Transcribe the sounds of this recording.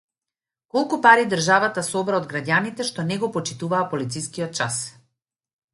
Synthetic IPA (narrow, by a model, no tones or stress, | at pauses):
kɔlˠkupaɾid̪əɾʒavat̪asɔbɾaɔd̪ɡɾaɟanit̪ɛʃt̪ɔnɛɡɔpɔt͡ʃi̥t̪uvaːpɔlit̪siskiɔt̪̚t͡ʃas